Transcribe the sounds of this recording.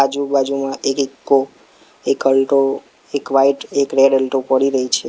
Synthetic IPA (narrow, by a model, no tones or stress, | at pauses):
ad͡ʒubad͡ʒumãʔekekːo | ekəlʈo | ekʋaiʈekɾeɽəlʈopəɽiɾəɦit͡ʃʰe